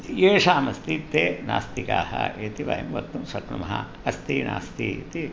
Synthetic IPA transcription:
jeːʂaːmɐst̪it̪ːeːna̰ːst̪ika̰ːhɐ̰ʔeːt̪iʋɐ̰ɦimʋɐkt̪ːumsɐkɳumɐɦɐ̰ | ɐst̪iːna̰ːst̪it̪i

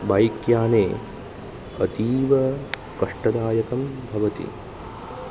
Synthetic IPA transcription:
bɐjkjaːneː | ɐt̪iːʋɐ | kɐʂʈɐd̪aːjɐkɐmbʱɐʋɐt̪ḭ

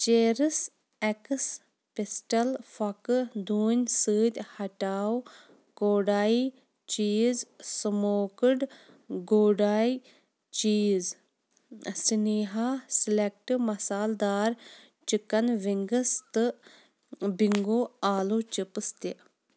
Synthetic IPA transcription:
t͡ʃeːɾɨs | ekɨs | pisʈɐlfɐkɨd̪uːnʲsɨːd̪ʲhɐʈaːw | koːɖaːi | t͡ʃiːzsɨmoːkɨɖ | ɡoːɖaːi | t͡ʃiːz | siniːɦasilek̚ʈɨmɐsaːld̪aːɾ | t͡ʃikɐnʋiŋɡəst̪ɨ | biŋɡoːaːlut͡ʃipɨst̪i

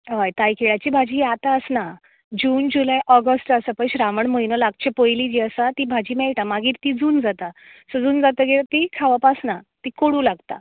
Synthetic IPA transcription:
ɦajt̪ajkʰeɭat͡ɕiːbʱad͡ʑiːat̪aəsna | d͡ʑuːnd͡ʑulajʔɔɡəsʈəsəpəjɕɾaʋəɳməjnəlaɡ̚t͡ɕepojliːd͡ʑiəsat̪ibʱad͡ʑiːmɛɭʈamaɡiːɾt̪id͡zuːnd͡zat̪a | səd͡zuːnd͡zat̪əɡet̪ikʰaʋapasnat̪ikoɽũlaɡt̪a̰

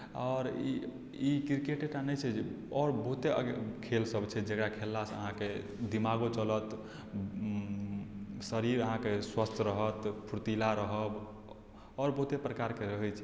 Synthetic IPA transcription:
ɔɾi | ikiɾkeʈeʈanɛjt͡ʃʰɛd͡ʒe | ɔɾbəɦut̪eəɡkʰelsəbt͡ʃʰɛd͡ʒəkɽakʰelːasə̰ɦãke | d̪imaɡot͡ʃələt̪ | səɾiɾəɦãkeswəst̪ʰɾəɦət̪pʰuɾt̪ilaɾəɦəb | ɔːɾbəɦut̪epɾəkaɾkeɾəɦɛt͡ʃʰ

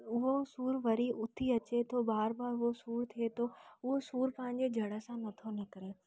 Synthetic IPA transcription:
ʊɦosuːɾʋɐɾiʔʊt̪ʰiɐt͡ɕet̪ʰobaːɾbaːɾʊɦosuːɾt̪ʰiet̪ʰoʊɦosuːɾpɐ̃ɦɪ̃ɲ̆d͡ʑed͡ʑʱɐɽəsãnɐt̪ʰonɐkɐɾeː

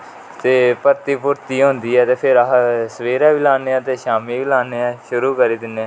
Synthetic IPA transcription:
t̪eːpəɾt̪iːpʊɾt̪iːɦõːnd̪iːɛːt̪eːpʰɪɾəsəʋeːɾaːʋiːlaːneːãːt̪eːʃaːmiːʋilaːneɛːʃʊɾuːkəɾiːd̪ɪnːeː

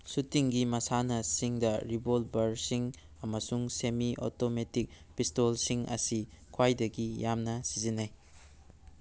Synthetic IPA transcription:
sutiŋɡimɐsanɐsiŋdɐɾibolbɐɾsiŋ | ɐmɐsuŋsemiʔo̰tometik̚ | pistolsiŋɐ̰sikʰwajdɐɡijamnɐsizinːaj

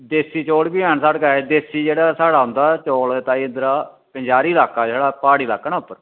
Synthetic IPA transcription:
d̪eːsiːt͡ʃoːɽbiːɛːnsaːɽkaed̪eːsiːd͡ʒeːɽaːsaːɽaːɦʊ̃nd̪aːt͡ʃoːlt̪aːiːɪnd̪əɾaː | pəɲd͡ʒaːɾiːlaːkːaːseːɽaːpaːɽiːlaːkːənaːʊpːəɾ

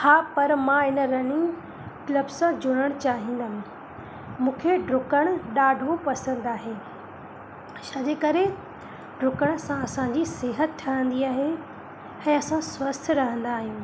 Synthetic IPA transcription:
haːpɐɾmãɪnɾɐnĩ | kləbsãd͡ʑʊɽ̃əɽ̃t͡ɕaːɦĩːnd̪aɦ | mũːkʰeɖɾʊkəɽ̃ɗaːɖʱopɐsə̃n̆d̪aːɦeː | ʃaːd͡ʑekɐɾe | ɖɾʊkəɽ̃sãɐsãɲd͡ʑiseɦət̪̚ʈʰaə̃nd̪iaːɦe | ɛ̃ːɐsãswɐst̪ʰɾɐɦə̃nd̪aːɦijũː

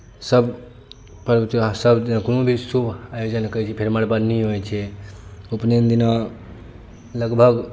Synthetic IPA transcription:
səb | pəɾt̪asəbd̪inakonobʱisubʱajod͡ʒənkəit͡ʃʰipʰeɾməɽbad̪niɦojt͡ʃʰɛ | upnend̪ina | ləɡbʱəɡ

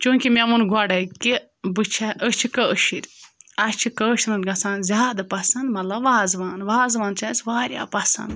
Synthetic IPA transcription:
t͡ʃuŋkʲimʲemunɡɐɖɐki | bɨt͡ʃʰɐʔət͡ʃʰikəʃiɾʲɐt͡ʃʰikəːʃnɨnɡɐsaːnzʲaːd̪ɐpɐsɐnd̪mɐt̪lɐbʋaːzʋaːnʋaːzʋaːnt͡ʃʰɐsʋaːɾʲja̰ːpɐsɐ̰̃nd̪

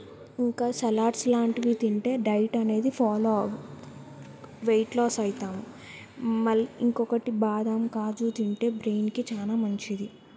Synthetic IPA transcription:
iŋkaːsɐlaːɖslaːɳʈiʋiːt̪iɳʈe̞ːɖɐjʈɐne̞ːd̪ipʰaːloː | ʋejʈlɔːsɐjt̪aːmu | mɐliiŋkɔkɐʈibaːd̪ɐmkaːd͡ʒuːt̪iɳʈe̞ːbɾejnkit͡ʃaːlaːmɐɲt͡ʃid̪i

